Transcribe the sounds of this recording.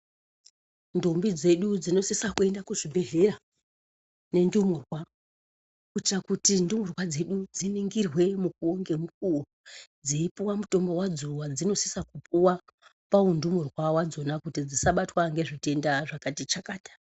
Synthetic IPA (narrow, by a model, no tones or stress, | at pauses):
ndombid͡ze̞ɗud͡zino̞sisakue̞ndakuʐibʱe̞ɦe̞ɾa | ne̞ndumurwa | kut͡ʃakutindumurwad͡ze̞ɗud͡ziniŋɡirwe̞mukuŋɡe̞mukuud͡ziipuwamuto̞mbo̞wad͡zuwad͡zino̞si̥sakup̚uwapaundumurwawad͡zo̞nakutid͡zisaɓatwaŋɡe̞ʐitendaʐakatit͡ʃakaːtḁ